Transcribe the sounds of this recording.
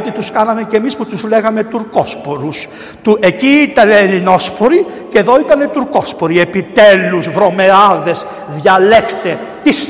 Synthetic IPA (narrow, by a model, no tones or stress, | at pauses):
t̪it̪uskɐnɐme̞ce̞misput̪uzle̞ɣɐme̞t̪uɾko̞spo̞ɾus | t̪uʔe̞ciit̪ɐnelino̞spo̞ɾi | ceðo̞it̪ɐnet̪uɾko̞spo̞ɾie̞pit̪e̞luzvɾo̞me̞ɐðe̞s | ðʝɐle̞kst̪e̞ | t̪is